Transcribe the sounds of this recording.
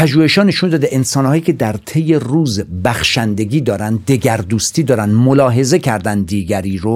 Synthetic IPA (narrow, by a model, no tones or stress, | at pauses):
pʰæʒuːhe̞ʃhɒːne̞ʃund̪ɒːd̪eʔensɒːnhɒːjiːcʰʲe̞d̪æɾt̪ʰe̞je̞ruːzbæxʃænd̪e̞ɡʲiːd̪ɒːɾænd̪d̪e̞ɡæɾd̪uːst̪iːd̪ɒːɾænd̪molɒːɦe̞ze̞cʰæɾd̪ænd̪iːɡæɾiːɾo